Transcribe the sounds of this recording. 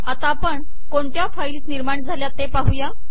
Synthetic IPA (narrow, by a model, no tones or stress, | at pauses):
at̪apəɳ | koɳt̪jafailsniɾmaɳd͡zʱaljat̪epaɦuja